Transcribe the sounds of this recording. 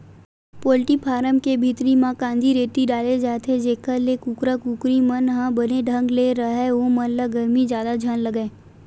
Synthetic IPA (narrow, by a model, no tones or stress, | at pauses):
poːlʈipʰaːɾəmkebʱiːt̪ɾimãkãːnd̪ʱiɾeːt̪iɖaːled͡ʒaːt̪ʰed͡ʒeːkəlekukɾakuːkɾimənɦãbəneɖʱə̃ŋɡleɾəɦɛomənlaɡəɾmid͡ʒjaːd̪ad͡ʒʱənləɡẽː